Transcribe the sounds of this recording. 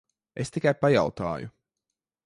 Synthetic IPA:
est̪ikajpaja̰wt̪a̰ːjṵ

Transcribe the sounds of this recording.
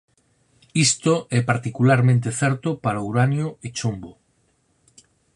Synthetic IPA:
ist̪oʔɛpaɾt̪ikulaɾmẽnt̪̬eθɛɾt̪opaɾauɾanjoet͡ʃombo

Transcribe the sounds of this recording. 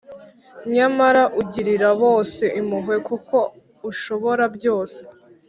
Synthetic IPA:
ɲamaɾaʔuɟiɾiɾaβo̞ːse̞ʔimuɦwe̞kuko̞ | uʃo̞βo̞ɾabɟo̞ːse̥

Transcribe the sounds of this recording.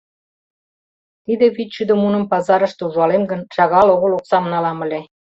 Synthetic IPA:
t̪id̪ĕβit̪t͡ɕyd̪ə̆munə̆mpɑzɑɾə̆ʃt̪euʒɑlemɡə̆nʃɑɣɑloɣə̆loksɑmnɑlɑmə̆lʲe

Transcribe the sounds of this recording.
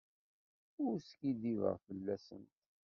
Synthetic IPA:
ʊɾskid̪ivə̰ʁfəlːæsə̰nt̪

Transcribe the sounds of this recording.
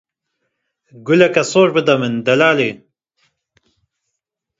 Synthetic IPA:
ɡulɐkɐsoːʒbɨd̪ɐmɨnd̪ɐlaːle

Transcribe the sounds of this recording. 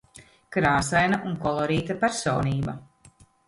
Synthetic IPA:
kɾaːsajnaʔunkɔlˠɔɾiːt̪apæɾsɔːniːbɐ

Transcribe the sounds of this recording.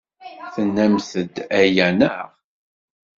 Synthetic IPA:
θənːæmθəd̪æjænəʁ

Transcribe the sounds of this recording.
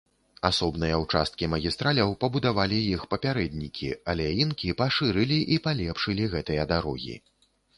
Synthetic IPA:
asɔbnɨjɐwt͡ʂa̰st̪̚kʲimɐɣʲist̪ɾalʲɐwpɐbud̪avalʲijixpɐpʲaɾɛd̪ʲnʲikʲḭɐlʲɛjinkʲipaʂɨɾɨlʲiʔipalʲɛpʂɨlʲiɣɛt̪ɨjɐd̪aɾɔɣʲḭ

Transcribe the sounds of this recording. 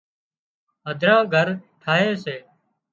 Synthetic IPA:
ɦəd̪ʱɾãːɡʱəɾʈʰaːɦeːseː

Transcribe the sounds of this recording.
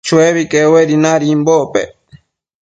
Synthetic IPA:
t͡ʃueβikeweɾinaɾimbopḛ

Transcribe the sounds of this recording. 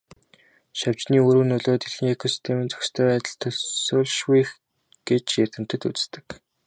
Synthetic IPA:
ʃaw̥t͡ɕniːuɾŭːnɵɮoːt̪eɮxiːŋekʰɔsi̥st̪ʰemiːnt͡sœ̥xst̪ʰœːæːt̪ə̆ɮt̪ʰɵɮsʊːɮʃwux | ɡ̥et͡ɕjær̥ʲt̪ɘ̆m̥t̪ɘ̆t̪ut͡sst̪ɘ̆k

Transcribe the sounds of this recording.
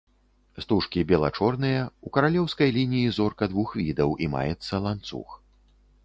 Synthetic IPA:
st̪uʂkʲibʲɛlˠa̰t͡ʂɔrnɨjɐukɐɾalʲɛwskɐjlʲinʲijizɔrkɐd̪vuxvʲid̪ɐwʔima̰jɛt̪sːɐlˠant̪sṵx

